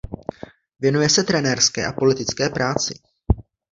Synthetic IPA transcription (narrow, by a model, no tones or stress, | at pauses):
vjɛnujɛsɛt̪ɾɛnɛɾskɛ̰ːʔapo̞lɪt̪ɪt͡skɛːpɾaːt͡sɪ̰